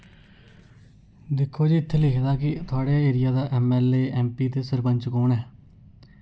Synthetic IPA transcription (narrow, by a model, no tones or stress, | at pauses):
d̪ɪkʰːoːd͡ʒiːɪt̪ʰːeːlɪkʰd̪aːkɪt̪ʰʊaːɽeːeːɾɪjaːd̪aːʔɛːmɛːleːʔɛːmpiːt̪eːsəɾpəɲt͡ʃkoːnɛː